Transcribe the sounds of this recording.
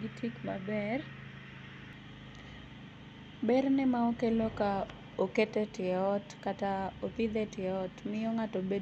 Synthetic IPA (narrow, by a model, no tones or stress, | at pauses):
ɡitʰikmabɛr | bɛrnɛmaokeloka | oketɛtɪɔtkataot̪ɪd̪ɛtɪɔtmɪɔŋatɔbe